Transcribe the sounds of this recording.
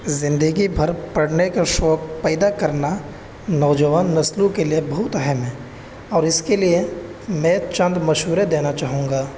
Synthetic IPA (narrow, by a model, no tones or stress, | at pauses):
zɪ̃nd̪əɡibʱɐɾpɐɽnekaʃɔːk̚pɛːd̪akɐɾna | nɔːd͡ʒəʋaːnːɐslũkeliebɐɦʊt̪ɛɦəmɦɛ̃ː | ɔːɾɪskelie | mɛ̃ːt͡ʃɐ̃nd̪mɐʃɦuːɾed̪eːnat͡ʃaːɦũːŋɡaː